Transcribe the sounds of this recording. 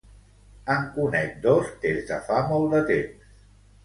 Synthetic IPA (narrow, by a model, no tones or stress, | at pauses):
əŋkunɛk̚d̪ɔst̪ezðəfamɔlˠd̪ət̪ems